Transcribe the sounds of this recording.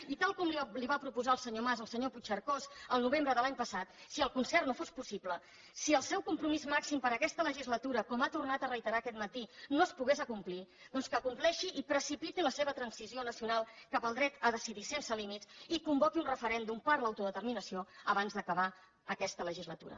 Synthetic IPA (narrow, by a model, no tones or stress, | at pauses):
it̪alˠkɔmliliβapɾupuzaəlˠsəɲomazəlˠsəɲoput͡ʃəɾkozəlˠnuβ̞embɾəðəlaɲpəsat̪̚siəlˠkunsɛrnofospusiplə | siəlˠsɛwkumpɾumizmaksimpəɾəkɛst̪ələʒizlət̪uɾəkɔmat̪urnat̪ərəjt̪əɾaːkɛt̪̚mət̪inoəspuɣezəkumpliðɔnskəkumplɛʃiʔipɾəsipit̪iləseβət̪ɾənsizionəsiunalˠkapəlˠd̪ɾɛt̪əðəsiðisensəlimit̪sikumbɔkiunrəfəɾɛnd̪umpaɾləwt̪uðət̪əɾminəsioəβanzðəkəβa | əkɛst̪ələʒizlət̪ṵɾə̰